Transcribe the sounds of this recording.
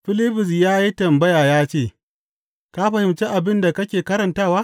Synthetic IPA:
ɸɪ˦lɪ˦ɸɪ˨s̬jaː˦ji˦tɐ˨mbɐ˦jaː˨jaː˦t͡ʃeː˦˨ | ka˦ɸɐ˨hɪ˨mt͡ʃe˦ʔa˨bɪ˦nda˨kɐ˦kʲeː˨kɐ˦ɾɐ˨ntaː˦˨waː˦

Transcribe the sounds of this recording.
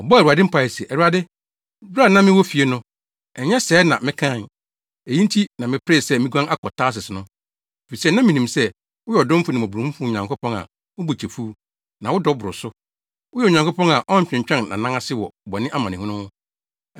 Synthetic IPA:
ɔ˨bɔ˦æ˨u˨a˨dɪ̃˦m̩˦pʰa˨ɛ˨sɛ˨ɛ˨wu˨a˨dɪ˦ | ba˦˨nã˦mɪ̃˦wɔ˦fi˨e˦nʊ̃˦ | ɛ˨˦ɲɛ˦sɛː˨˦nã̰˨mɪ̃˦kʰã˦˨n˨ | e˨ji˦n˦tʰi˦nã˨mɪ̃˨pʰɾe˦˨sɛ˦mĩ˦ɡʷã˦ŋa˦kʰɔ˨tʰaː˦s̬ɪ˨sɪ˨nʊ̃˦ | e˨fi˨sɛ˦nã˦mĩ˨nĩ˨msɛ˦ | wʊ˦jɛ˨ɔ˨dɔ̃˦m̩˦fʊ˦nɪ̃˨ɔ˨bũ˨ũ˦fʊ̃˦˨ɲã˨ŋkʊ˦pʰɔ̃˦ŋa̰˨ | ʊ˦bu˨t͡ɕʰe˨fu˦ | nã˨wʊ˦dɔ˦bʊ˨ɾʊ˨sʊ˦ | wʊ˦jɛ˦˨ɲã˨ŋko˦pɔ̃˦ŋa˨ʔɔ̃˦˨ɕᶣɪ̃˨t͡ɕᶣɛ̃˦nnã̰˨nã˦ŋa˦sɪ˦wɔ̰˨bɔ˨nɪ̃˦ʔa˦mã˨nɪ̃˨ʊ̃˦nʊ̃˦hʊ̃˦

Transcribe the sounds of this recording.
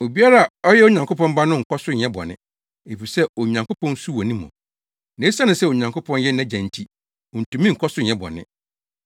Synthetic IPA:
o˨bi˦a˦ɾa˦˨ɔ˦jɛ˦o˦ɲã˨ŋkʊ˦pɔ̃˦m˦ba˦nʊ̃˦ŋ̩˨kʰɔ˦sʊ˦ɲ˨ɛ̃˦bɔ̰˨nɪ̰̃˦ | e˨fi˨sɛ˦o˨ɲã˨ŋkʊ˦pʰɔ̃˦n˦su˦wɔ˨nĩ˦mɔ̰̃˨ | nẽ˨˦sã˦nʊ̃˨sɛ˦o˨ɲã˨ŋkʊ˦pʰɔ̃˦njɛ˦nã˦d͡ʑæ̃˨n̩˨tʰi˦ | ɔ˨n̩˨tũ˨mĩ˦ŋ̩˨kʰɔ˦sʊ˦ɲ˨ɛ̃˦bɔ̰˨nɪ̰̃˦

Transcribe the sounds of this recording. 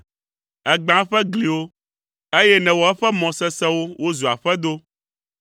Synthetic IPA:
ɛ˨ɡ͡bã˨˦ɸɛ˦ɡli˨wo˦ | e˦jɛ˦nɛ̃˨wɔ˨ɛ˦ɸɛ˦mɔ̃˨sɛ˦sɛ˦wo˦wo˦zu˨a˨ɸɛ˦d̪o˦

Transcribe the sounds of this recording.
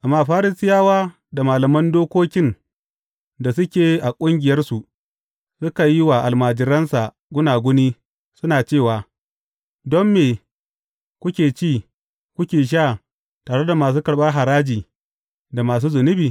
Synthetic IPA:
ʔa˨mːaː˦˨ɸaː˦ɾɪ˦sɪ˦jaː˦waː˦ | da˨maː˨lɐ˨mɐ˦ndoː˦kʷoː˦kʲɪ˦n | da˨s̬ʊ˦kʲeː˨ʔa˨kʷʼʊ˦ŋɡʲɪ˨jɐ˦rsu˨ | sʊ˦ka˨ji˦waː˨ʔa˨lmaː˨d͡ʒɪ˨ɾɐ˦nsa˨ | ɡʷʊ˦naː˨ɡʷʊ˦niː˦ | sʊ˦naː˨t͡ʃeː˦˨waː˨ | dɔ˦mːeː˨ | kʷʊ˦kʲeː˨t͡ʃiː˦˨ | kʷʊ˦kʲeː˨ʃ̬aː˦˨ | taː˨ɽe˦da˨maː˨s̬uː˦kɐ˨ɽɓɐ˦rɦa˨ɾaː˦d͡ʒiː˨ | da˨maː˨s̬uː˦zʊ˨nʊ˦biː˨

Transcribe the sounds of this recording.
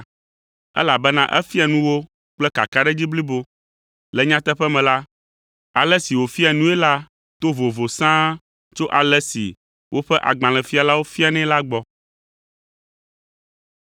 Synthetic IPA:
ɛ̰˦la˨bɛ˦nã˦ʔɛ̰˦fi˦a˨nũ˦wo˦ | k͡plɛ˦ka̰˨ka˦ɖɛ˦d͡ʑi˦bli˦bo˦ | lɛ˨ɲã˦t̪ɛ˦ɸɛ˦mɛ̃˨la˦ | a˨lɛ˦si˨wo˨fi˦a˨nũ˦ɛ˦la˦ | t̪o˦vo˨vo˨sã˦ | t͡ʃo˦ʔa˨lɛ˦sḭ˨ | wʔo˦ɸɛ˦ʔa̰˨ɡ͡bã˨lɛ̃˨fi˦a˨la˦wo˦fi˦a˨nɛ̃˦la˦ɡ͡bɔ˦

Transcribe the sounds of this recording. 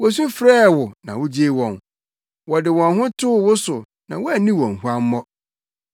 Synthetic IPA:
wɔ˨s̬ũ˦fɾɛː˦˨wʊ˨nã˨wʊ˦d͡ʑi˦e˦wɔ̃˨n | wɔ˨dɪ˨wɔ̃˨nɦʊ̃˦tʰʊ˦wʊ˦sʊ˨ | nã̰˨wɔ˦æ˨nĩ˦wɔ̃˨ŋ˨hu˦a˦m̩˦mɔ̃˦

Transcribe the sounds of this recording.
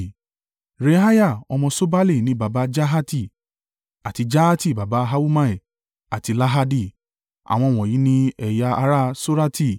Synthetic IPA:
ɾe˨˦ɦa˦ja˦˨ɔ˧mɔ̃˧so˦ba˦le˦˨nĩ˦ba˨ba˧˦d͡ʒa˦ɦa˦ti˦˨ | a˨ti˧d͡ʒa˦a˦ti˦˨ba˨ba˨˦ɦa˦wu˦mã˦i˨ | a˨ti˧la˦ɦa˧di˦˨ | a̰˨w̃ɔ̃˧˨w̃ɔ̃˨ji˨˦nĩ˦ɛ˨ja˧a˧ɾa˦so˦ɾa˦ti˦˨

